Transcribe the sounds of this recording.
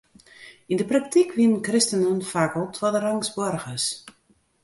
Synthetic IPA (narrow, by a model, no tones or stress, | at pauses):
indəprak̚tʰikʰʋinnkrɪstənənfakəlˠtʰwɔdəraŋsbɔrɣəs